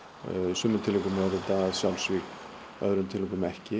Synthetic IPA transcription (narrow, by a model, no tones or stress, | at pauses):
sʏːmːʏnt̪ʰɪlɪkʏmaɾɪt̪aðsjawlsvik | œ̰ðɾʏnt̪ʰɪlɪːkʏmɛhcɪ